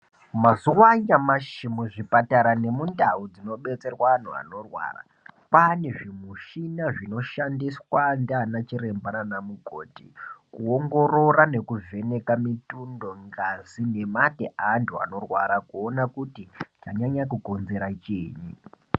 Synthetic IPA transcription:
mazuwaɲamaʃimuʐipataɾane̞mundaud͡zino̞ɓe̞t͡se̞rwan̤ṵa̰no̞rwa̰ra̰ | pane̞ʐimuʃinaʐino̞ʃandiswandanat͡ʃiɾe̞mbananamuɡʱo̞̰ːtḭkuoŋɡo̞ɾo̞rane̞kuve̞ne̞kamitundo̞ŋɡazine̞mateʔantʰua̰no̞rwa̰ɾakuonakutit͡ʃaɲaɲakuko̞nze̞ɾat͡ʃiːɲḭ

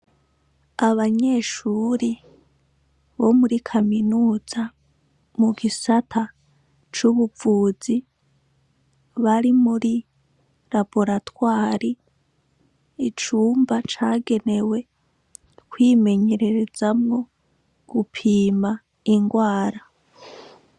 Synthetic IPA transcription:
aβaɲe̞ʃuːɾi | βomuɾikʰaminuːz̥a | muɡisatʰa | t͡ʃuβuvuːzi | βaɾimuɾi | ɾapo̞ɾatwaːɾi | t͡ʃuːmbat͡ʃaːɡe̞ne̞we̞ | kwiːme̞ɲe̞ɾe̞ɾe̞zamŋo̞ | ɡ̥upʰiːma | iŋɡwaːɾa

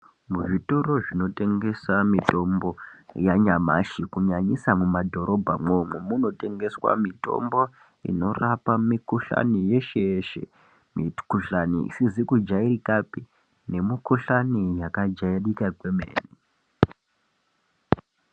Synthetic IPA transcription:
muʐitoɾo̞ʐino̞te̞ŋɡe̞samito̞mbo̞jaɲama̰ʃikuɲaɲisamumadʱo̞ɾʔo̞bʱamomemuno̞te̞ŋɡe̞swa̰mito̞̰mbo̞ | ḭno̞rapamikuɬa̰nije̞ʃejeʃḛ | mḭkuɬanḭḭsizikud͡ʒairikapi | ne̞mikuɬanijakad͡ʒaiɗikakwemḛːni

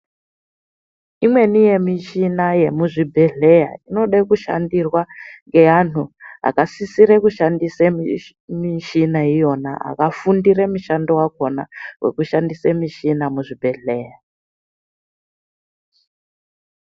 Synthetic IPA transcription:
imwe̞nije̞miʃinaje̞muʐibʱeɮeja̰ino̞ɗakuʃa̰ndirwaŋɡeanʰuɦa̰kasisiɾekuʃandise | miʃinaijo̞na̰a̰kafundiɾemuʃandowakona̰we̞̰kuʃandisemiʃinamuʐibʱe̞ɮeːja

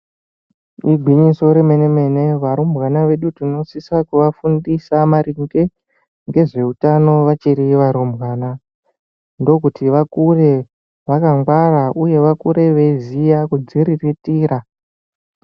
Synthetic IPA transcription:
iɡʱwiɲiso̞ɾemeneme̞ne̞ʋaɾombwanaʋe̞ɗutino̞sisakuʋafundisamaɾiŋɡe̞ | ŋɡe̞ʐe̞utano̞ʋat͡ʃiɾiʋaɾumbwaːna | ndo̞kutiʋakure̞ | ʋakaŋɡwaraʔuje̞ʋakuɾe̞ʋe̞zijakud͡ziɾiritiːɾa

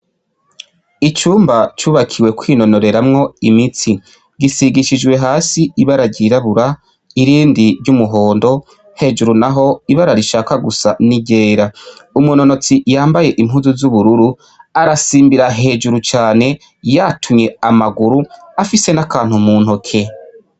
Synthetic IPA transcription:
it͡ʃuːmbat͡ʃuːβakʰiwe̞kwino̞no̞ɾe̞ɾamŋo̞imit͡si | ɡisiɡiʃid͡ʒɡwe̞ɦaːsiiβaɾaɟiɾaβuɾa | iɾiːndiɾɟumuɦo̞ːndo̞ | he̞d͡ʒuɾunaɦo̞iβaɾaɾiʃaːkaɡusaniɟe̞ːɾaumuno̞no̞t͡sijaːmbaje̞ʔimɦuzuzuβuɾuɾu | aɾasiːmbiɾaɦe̞ːd͡ʒuɾut͡ʃaːne̞ | jatʰumɲe̞amaɡuɾu | afise̞nakaːn̥humuːn̥hokʰe̞

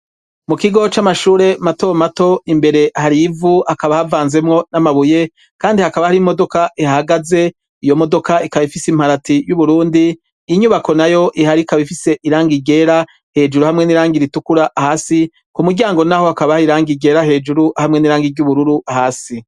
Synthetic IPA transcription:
mukiɡo̞t͡ʃamaʃuːɾe̞matomato̞imbe̞ɾe̞haɾivuakaβahavaːnze̞mŋo̞namaβuje̞ | kaːndihakaβahaɾimo̞do̞kaʔihaɡaze̞ | ijo̞mo̞do̞kaikaβifisimhaɾatijuβuɾuːndiː | ɲuβako̞najo̞ʔihaɾikaβifise̞ʔiɾaːŋɡiɡe̞ːɾa | he̞ːd͡ʒuɾuhamŋe̞niɾaːŋɡiɾitukuɾahaːsi | kumuɡɟaːŋɡo̞nahohakaβahiɾaːŋɡiɡe̞ːɾahe̞ːd͡ʒuɾuhamŋe̞niɾaːŋɡiɾɟuβuɾuɾuahaːsi

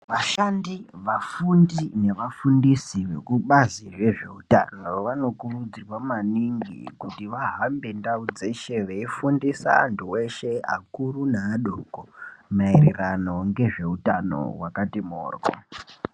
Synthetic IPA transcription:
ʋaʃandiʋafundine̞ʋafundisiʋe̞̰kuɓaziʐe̞ʐe̞uta̰noʋano̞kurud͡zirwamaniŋɡḭkutiʋaɦambe̞ndaud͡zeʃe̞ʋeifundisa̰ːntʰuwe̞ʃe̞a̰kurunaːɗokomairirano̞ŋɡe̞ʐe̞utano̞̰wakatimo̰ːrɡo̰

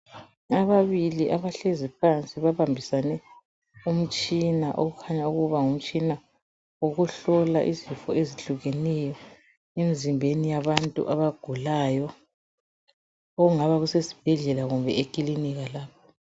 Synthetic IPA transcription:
aβaβiliʔaβaɬezip̚ʰant͡sʼiβaβambʱisanɛ | um̩t͡ʃʼinaʔo̰ɣukʰaɲauɣuβaŋum̩t͡ʃʼina | oɣuɬɔla̰ʔizifɔeziɬuɣenɛjɔ | emizimbʱenijaβantʼṵʔaβaɡ̥ʱulaːjɔ | oɣuŋaβaɣusesi̥b̥ʱɛɮɛlaɣumbʱɛekʼiliniɣalaːpʰḁ

